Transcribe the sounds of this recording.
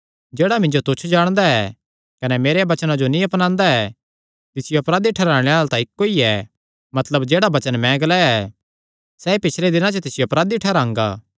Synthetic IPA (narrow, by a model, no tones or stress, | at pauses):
d͡ʒeːɽamɪ̃ɲd͡ʒot̪ʊt͡ʃʰd͡ʒaːɽ̃d̪aɛ | kɐnɛmeːɾeabɐt͡ʃnãd͡ʒonĩɐpnãːnd̪aɛ | t̪ɪsɪjoɐpɾaːd̪iʈʰɛɾãːɽ̃eaːlt̪ãɪkːoiɛ | mɐt̪ləbd͡ʒeːɽabɐt͡ʃənmɛ̃ɡəlaɛ | sɛipɪt͡ʃʰled̪ɪnãt͡ʃət̪ɪsɪjoɐpɾaːd̪iʈʰɛɾãːŋɡa̰ː